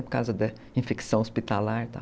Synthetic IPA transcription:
pʊɾkawzɐd̪ɐ | ĩfeksɐ̃w̃ospit̪alaɾt̪a̰

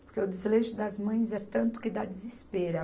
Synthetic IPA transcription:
poɾkeʊd̪ɪzleʒʊd̪ɐzmɐ̃j̃zɛt̪ɐ̃nt̪ʊ̥kɪd̪ad̪ɪzespeɾɐ

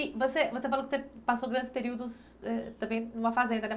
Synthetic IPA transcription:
ivosevosefalɐkɪ̥sepasoɡɾɐ̃nd͡ʒɪspeɾiwd̪ʊs | ɛt̪ɐ̃bẽj̃nũmɐfazẽnd̪ɐnɛ

